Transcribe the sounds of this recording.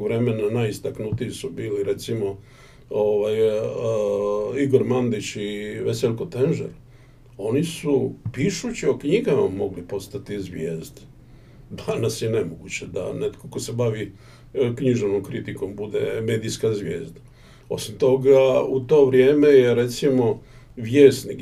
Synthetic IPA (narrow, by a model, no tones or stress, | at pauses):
ʋɾe̞me̞nanaist̪aknut̪iisubiːliɾet̪simo̞ | oʋaj | iɡo̞ɾmand̪it͡ɕiʋeseʎʲkot̪enʒḛɾ | o̞nisupiʃut͡ɕio̞kɲiɡamamo̞ɡlipo̞st̪at̪izʋjḛːzd̪ | d̪anasjenemoɡṵt͡ɕed̪a̰net̪kokosebaʋi | kɲiʒeʋnomkɾit̪iko̞mbud̪e̞̰meːd̪ijskazʋjḛːzd̪a | o̞̰simt̪o̞ɡaut̪o̞ːʋɾje̞ːmejeɾet̪simo̞ | ʋjeːst̪nik